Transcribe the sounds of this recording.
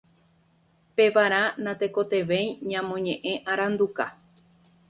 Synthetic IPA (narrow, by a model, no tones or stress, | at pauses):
pe̞ʋaɾ̃ãnãt̪e̞ko̞t̪e̞ʋe̞j̃ɲãmõ̞ɲẽʔẽ̞ʔaɾãnd̪uka